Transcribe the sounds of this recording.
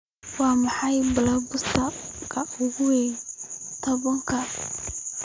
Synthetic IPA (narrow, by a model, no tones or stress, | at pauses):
wɑːmɑħɑjbɪlɐbʊsʰɐkʰɐʊɣʊwɛ | t̪ʰɔβɐŋkʰɐ